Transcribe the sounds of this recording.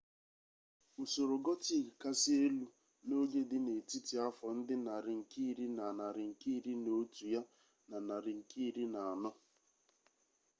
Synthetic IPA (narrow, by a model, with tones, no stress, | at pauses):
u˨so˨ɾo˨ɡɔ˦ti˦˨ka˦sɪ˦e˦lu˦ | no˦ɡe˦dɪ˦ne˨ti˦ti˨a˦fɔ˨n̩˦dɪ˦na˨ɾɪ˨ŋ̩˨ki˦˨ɾi˦na˨na˨ɾɪ˨ŋ̩˨ki˦˨ɾi˦no˦tu˨ja˦ | na˨na˨ɾɪ˨ŋ̩˨ki˦˨ɾi˦na˨a˨nɔ˦